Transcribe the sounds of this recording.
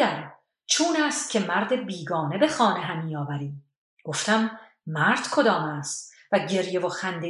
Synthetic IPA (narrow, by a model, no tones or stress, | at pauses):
æɾ | t͡ʃʰuːnæːst̪̚cʰe̞mæɾd̪ebiːɡɒːne̞be̞xɒːneɦæmiːɒːvæɾiːm | ɡ̥o̞ft̪æmː | æɾd̪̥kʰo̞d̪ɒːmæst̪ | væɟe̞ɾje̞voxænd̪e